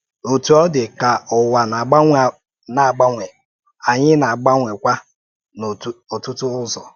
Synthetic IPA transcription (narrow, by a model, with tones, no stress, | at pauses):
o˨tu˨ɔ˦dɪ˨ka˨ʊ˨wa˨na˨ɡ͡ba˦ŋʷ˨ | na˨ɡ͡ba˦ŋʷe˨ | a˨ɲɪ˦na˨a˨ɡ͡ba˦ŋʷe˨kʷa˦ | n˨o˨tʊ˦tʊ˦ʊ˦zɔ˨